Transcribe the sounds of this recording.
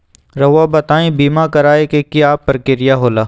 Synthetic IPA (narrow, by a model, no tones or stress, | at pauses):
ɾɐɦʋabɐt̪aːẽːbiːmakɐɾaːekekiaːpːɐɾkɪɾɪjaɦoːlaː